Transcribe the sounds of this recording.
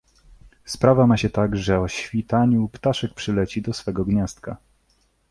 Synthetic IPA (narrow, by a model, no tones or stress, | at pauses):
spɾavamaɕɛt̪aɡʐɛɔɕfʲit̪aɲupt̪aʂɛk̚pʂɘlɛt͡ɕid̪ɔsfɛɡɔɡɲast̪ka